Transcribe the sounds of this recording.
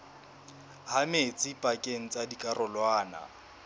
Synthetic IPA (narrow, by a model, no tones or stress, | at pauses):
hamet͡sʼipʼakʼeŋ̩t͡sʼadikʼarɔlwaːna̰